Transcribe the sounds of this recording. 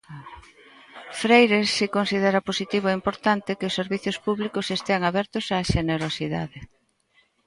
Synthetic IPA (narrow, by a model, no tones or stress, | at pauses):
fɾejɾesːikonsiðeɾɐposit̪iβoɛimpoɾt̪ant̪ɪkeʊsːeɾβiθjʊspuβlikʊsest̪eaŋaβɛɾt̪ʊsaːʃeneɾosiða̰ðɪ